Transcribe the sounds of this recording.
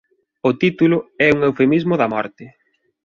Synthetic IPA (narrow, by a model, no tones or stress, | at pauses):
ʊt̪it̪ulʊɛuŋewfemizmʊðɐmɔ̰ɾt̪ɪ